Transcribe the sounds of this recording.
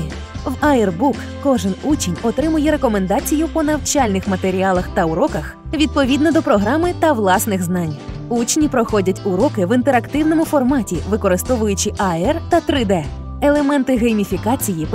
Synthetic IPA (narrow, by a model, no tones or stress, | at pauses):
ʋɐɛrbukkɔʒɪnut͡ʃenʲɔt̪ɾɪmʊjɛɾekɔmend̪ɑt͡sʲijʊpɔnɐwt͡ʃɑlʲnɪxmɐt̪e̞ɾʲialˠɐxt̪ɐʊɾɔkɐx | ʋʲid̪̚pɔʋʲid̪nɔd̪ɔpɾɔɦɾɑmɪt̪ɐʋlˠɑsnɪɣznɑnʲ | ut͡ʃnʲipɾɔxɔdʲɐtʲʊɾɔkɪʋɪnt̪eɾɐkt̪ɪwnɔmʊfɔrmɑtʲiʋɪkɔɾɪst̪ɔʋʊjʊt͡ʃɪʔɐɛrt̪ɐt̪ɾɪd̪ɛ | elˠemɛnt̪ɪɦejmʲifʲikɑt͡sʲijip